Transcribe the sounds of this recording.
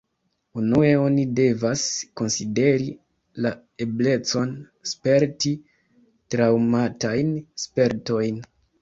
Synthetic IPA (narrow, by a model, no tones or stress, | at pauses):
unue̞o̞nide̞vasko̞nside̞ɾi | la | e̞ble̞t͡so̞n | spe̞ɾti | tɾawmatajnspe̞ɾto̞jn